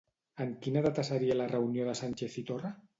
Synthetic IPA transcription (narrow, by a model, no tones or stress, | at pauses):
əŋkinaðat̪asəɾialarəunjoðəsanʲt͡ʃeθit̪ora